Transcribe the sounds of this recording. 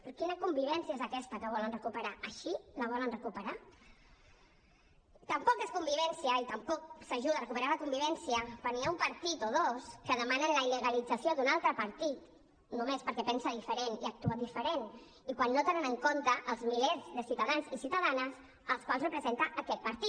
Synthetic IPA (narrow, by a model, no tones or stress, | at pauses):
pɾkinəkumbiβ̞ɛnsiəezəkɛst̪əkəβɔlənrəkupəɾaʔəʃiləβ̞ɔlənrəkupəɾa | t̪əmpɔkeskumbiβɛnsiəit̪əmpɔksəʒuðərəkupəɾaləkumbiβ̞ɛnsiəkwanːiaumpəɾt̪it̪oðoskəðəmanənləiləɣəlid͡zəsioðunalˠt̪ɾəpəɾt̪it̪ | numespəɾkɛpɛnsəðifəɾeniək̚t̪uəd̪ifəɾen | ikwanːot̪enənəŋkont̪əʔːlˠzmilezðəsiut̪aðanzisiwt̪əðanəz | əlˠskwalzrəpɾəzent̪aʔːkɛt̪̚pəɾt̪i